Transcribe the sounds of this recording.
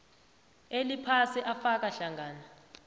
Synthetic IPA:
elipʰasiʔafak̬aɬaŋʱaːna

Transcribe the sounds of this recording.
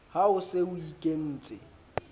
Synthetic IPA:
haʊseʊikʼen̩ːt͡sʼɪ̰

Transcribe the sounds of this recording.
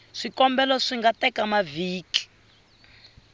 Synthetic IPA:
ʂikɔmbɛlaʂiŋɡatɛkamaviːki̥

